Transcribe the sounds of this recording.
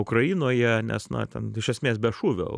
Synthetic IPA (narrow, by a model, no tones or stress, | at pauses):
ʊkrɐiːnoːjɛnʲɛ̰snɐ̰t̪ʲɛnɪʃʲɛsʲmʲeːs̬bʲɛʃuːʋʲo̰